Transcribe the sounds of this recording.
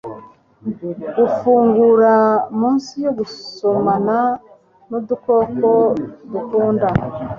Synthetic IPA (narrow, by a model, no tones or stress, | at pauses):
ɡufuːŋɡuɾamuːnsijoɡussomana | nudukoːkodukuːnda